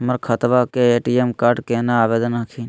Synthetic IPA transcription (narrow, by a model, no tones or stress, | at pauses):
məɾkʰət̪ʋaːkeeːʈiemkaːɾɖkeːnaaːʋeːd̪ənakʰiːn